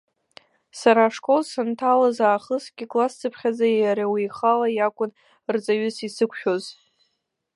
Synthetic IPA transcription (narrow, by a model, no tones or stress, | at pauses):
saɾaːʂkʼo̞lsantʰalazaːχəsɡʲɪkʼlast͡sʰʼɨpʰχʲad͡zajaɾawijχalajakʷʼʊn | rt͡sʼaɥʊsisɨkʷʰʃᶣoz